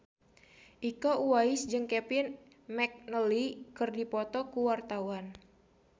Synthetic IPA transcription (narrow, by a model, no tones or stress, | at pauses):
ʔikoʔuaɪsd͡ʒɨŋkɛpɪn | mɛk̚nəlikɨrdipɔt̪ɔkuwart̪awan